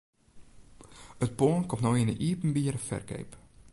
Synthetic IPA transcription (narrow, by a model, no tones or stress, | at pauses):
ət̚poənkɔmtnowjɪnəʔiːpn̩biəɾfɛ̰rkḛjp